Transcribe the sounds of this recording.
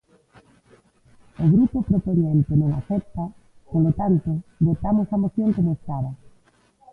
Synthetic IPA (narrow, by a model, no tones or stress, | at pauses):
ʊɣɾupʊpɾopoɲẽnt̪ɪnõŋa̰θɛp̚t̪ɐ | polot̪ant̪ʊβot̪amʊsɐmoθjoŋkomoest̪ɾaðɐ